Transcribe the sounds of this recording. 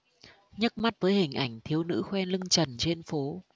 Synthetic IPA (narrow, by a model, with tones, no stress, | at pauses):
ɲə˦˥t̚ma˦˥t̚vəː˨˦jhï˨˩ŋ̟ʔa˧˩jŋ̟t̪ʰi˨˦əwnɨ̰˧˥xwɛ˧nlɨ˧ŋt͡ɕə˨˩nt͡ɕe˧nfo˨˦